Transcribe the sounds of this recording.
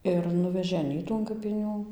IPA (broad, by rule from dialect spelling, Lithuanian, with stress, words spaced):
ɪr ˈnʊʋʲɛʒʲeː ɐˈnʲiːtuː ɐn kɐpʲɪˈnʲuː